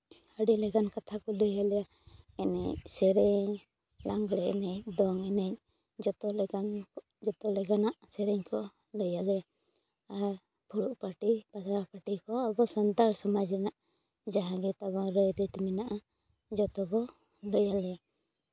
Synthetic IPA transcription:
əɽilɛɡankat̪ʰakɔləjalɛja | ɛnɛ̰ɲsɛɾɛɲ | laŋɡɽɛɛnɛɲd̪ɔŋɛnɛɲ | d͡ʒɔt̪ɔlɛɡan | d͡ʒɔt̪ɔlɛɡanaʔsɛɾɛɲkɔ | ləjala | a | pʰuɽuʔpaʈipasaɾpaʈikɔabɔsand̪aɾsɔmad͡ʒɾɛnaʔ | d͡ʒaɦãɡɛt̪abɔɾəjɾit̪mɛnaʔa | d͡ʒɔt̪ɔkɔ | ləjalɛja

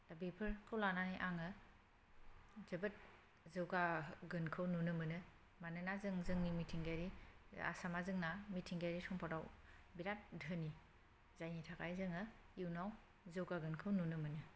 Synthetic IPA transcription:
d̥abepʰɯɾkʰɯwlananiʔaŋɯ | zɐbɐt̚ | zɯwɡaɡɯnkʰɯwnunɯmɯnɯ | manɯnazɯŋzɯŋnimitʰiŋɡajɾia̰samazɯŋnamitʰiŋɡajɾisʰɔmpʰaɾawbiɾat̚dʱəni | zajnitʰakʰajzɯŋɯ | iwnaw | zɯwɡaɡɯnkʰɯwnunɯmɯnɯ

